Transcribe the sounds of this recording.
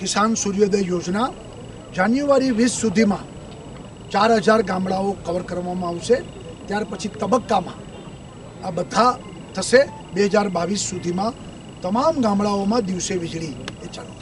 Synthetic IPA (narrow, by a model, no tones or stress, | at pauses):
kɪsansuɾjod̪ejod͡ʒna | d͡ʒanjuaɾiʋisːud̪ʱimã | t͡ʃaɾɦəd͡ʒaɾɡãmɭaokəʋəɾkəɾʋamãaʋʃe | t̪jaɾpət͡ʃʰit̪əbəkːamã̰ | abəd̪ʱa | t̪ʰəʃe | beɦəd͡ʒaɾbaʋisːud̪ʱimã | t̪əmamɡãmɭaomãd̪iʋseʋɪd͡ʒɭiet͡ʃa